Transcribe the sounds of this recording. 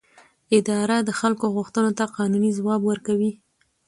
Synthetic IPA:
ɪd̪ɑɾad̪əxalkoɣʊxt̪ənot̪aqɑnunizwɑbwəɾkawi

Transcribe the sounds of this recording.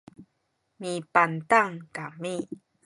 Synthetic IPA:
mipantaŋkami

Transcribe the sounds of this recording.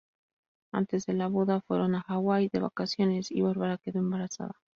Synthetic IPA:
a̰nt̪e̞zðe̞laβuðafwe̞̰ɾo̞naxaɣwajðe̞βa̰kasjo̞ne̞sḭβaɾβaɾakeðo̞e̞mbaɾasa̰ða

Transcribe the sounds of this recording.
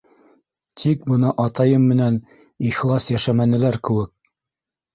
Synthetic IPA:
t̪ʰik̚bɤ̆nɤʔɑt̪ɑjɤmːɘ̆næn | iχlˠɑsjæʃæmænɘ̆læɾkɘ̆wɘk̚

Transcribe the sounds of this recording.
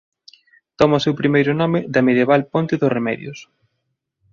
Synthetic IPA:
t̪ɔmɐʊsewpɾimejɾʊnɔmɪðɐmeðjeβalpont̪ɪðʊsremɛðjʊs

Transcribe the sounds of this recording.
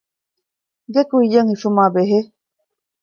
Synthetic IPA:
ɡekuijəŋiʃumabeɦe

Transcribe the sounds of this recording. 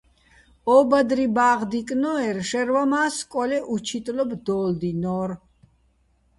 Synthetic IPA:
ɔːbad̪ɾibaːʁd̪ikʼnɔɛɾʃɛɾwamaːskʼɔlɛʔut͡ʃʰit̪ʼlɔbd̪ɔːld̪inɔːɾ

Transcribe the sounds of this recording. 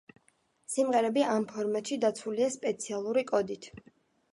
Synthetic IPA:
simʁɛɾɛbiampʰɔɾmat̪ʃid̪at̪sʰuliaspʼɛt̪sʰialˠuɾikʼɔd̪it̪ʰ

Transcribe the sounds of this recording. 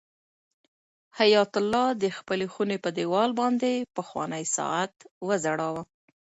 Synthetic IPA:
hajɑt̪ʊlːɑd̪əxpəlexunepəd̪ewɑlbɑnd̪epəxwɑ̰nəjsɑ̰at̪wəzaɽɑwə

